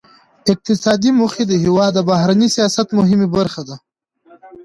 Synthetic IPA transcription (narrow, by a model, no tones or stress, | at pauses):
ɪq̚t̪ɪsɑːd̪imʊxed̪əɦiwɑːd̪abaɦɾanisijɑːsat̪mʊɦɪmebaɾxad̪a